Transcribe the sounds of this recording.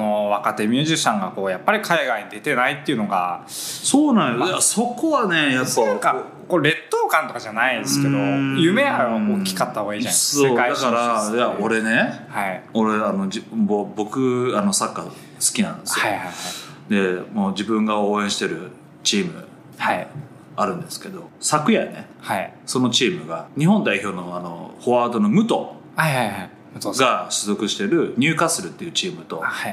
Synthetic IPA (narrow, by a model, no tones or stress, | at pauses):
noβakat̪e̞mʲjɨːʑiɕãŋɡako̞ːjapːaɾʲikʰaiɡaiɲ̟id̪e̞t̪e̞nait̪ːeɯ̟no̞ɡa̰soːnãjod̪aso̞ko̞βane̞japːaaka | koɾe̞t̪ːo̞ːkãnt̪o̞kaʑanaid̪essɨ̥ke̞d̪ojɯ̟me̞aɾokʲi̥kat̪ːaiːʑãoaid̪akaɾajaoɾe̞ne̞haioɾe̞ano̞d͡ʑibobo̞kɯ̟ano̞sakːa | sɨ̥kʲinã̰nd̪esɨj | d̪e̞moːd͡ʑibɯ̟̃ŋɡao̞ːẽɕi̥t̪e̞ɾɯ̟̰ | t͡ɕiːmɯ̟ | ha | aɾɯ̟̃nd̪e̞sɨ̥ke̞d̪o̞sakɯ̟janḛ | haiso̞no̞t͡ɕiːmɯ̟ɡaɲ̟iɦõ̞nd̪aiço̞ːnoano̞̰ho̞aːd̪o̞no̞mɯ̟t̪o̞ | ɡaɕɨzo̞kɯ̟ɕi̥t̪e̞ɾɯ̟ɲ̟ʲɨːkasɨɾɯ̟t̪ːe̞iɯ̟ːt͡ɕiːmɯ̟t̪o̞̰